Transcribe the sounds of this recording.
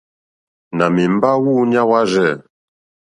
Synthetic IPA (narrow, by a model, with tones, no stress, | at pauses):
na˨mi˨m̩˦ba˦wu˦˨ɲ˦a˦wa˦ʒɛ˦˨